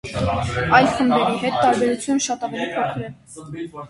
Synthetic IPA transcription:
ɑjlχəmbɛɾiɦɛt̪ːɑɾbɛɾut͡sʰjunʃɑt̪ɑvɛlipʰɔkʰɾɛl

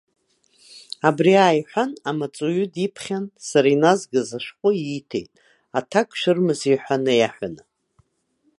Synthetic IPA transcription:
abriaːjħᶣʷanamat͡sʼujʊdipʰχʲansaɾainazɡɨzaʃqʷʼʊitʰḛjtʼ | atʰakʼʃʷᶣɨrmɨziħʷᶣanɨjaħʷᶣanɨ

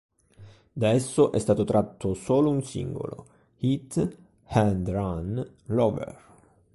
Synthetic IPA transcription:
d̪aɛsːoʔɛst̪aːt̪ot̪ɾʔat̪ʰːosoːlounsḭŋɡo̰lo̰ | hit̪ː | hand̪ɾan | lɔvɛ̰r

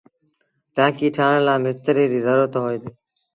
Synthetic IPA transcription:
ʈãːkiːʈʰaːɳlaːmɪst̪əɾiːɾiːzəɾoːt̪oɦoːjːd̪eː

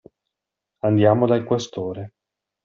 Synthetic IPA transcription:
and̪jaːmod̪aikwest̪oːɾe

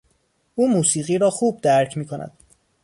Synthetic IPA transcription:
ʔuːmuːsiːɣiːɾɒːxuːb̚d̪æɾcʰmiːkʰonæ̰d̪̥̚

